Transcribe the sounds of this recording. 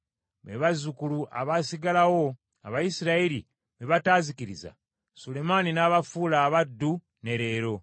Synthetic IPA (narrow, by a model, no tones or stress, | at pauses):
βḛβazukuluʔa̰βasiɡalawo̞ | aβajisiɾaeɾi | βeβataːzikiɾḭza̰ | sulemaninaːβafuːlaːβadːu | ne̞ɾe̞ːɾo̞